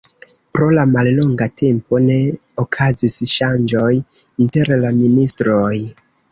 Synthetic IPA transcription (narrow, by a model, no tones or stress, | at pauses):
pɾo̞lamallo̞ŋɡatʰe̞mpo̞ne̞ | okʰazisʃand͡ʒo̞j | inte̞ɾlaministɾo̞j